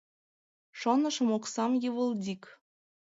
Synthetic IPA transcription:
ʃonɤʃɤ̆moksɑmjɯβəld̪ʲik

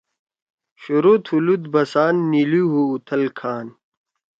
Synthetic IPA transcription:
ɕuɾut̪ʰulud̪bɐsaːnːiluɦuːt̪ʰɐlkʰaːn

